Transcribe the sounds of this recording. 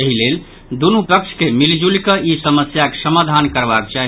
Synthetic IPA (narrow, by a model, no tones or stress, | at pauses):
əɦilel | d̪unupəkt͡ʃʰkemild͡ʒulkəisəməsjakesəmad̪ʱankəɾbak̚t͡ʃaɦ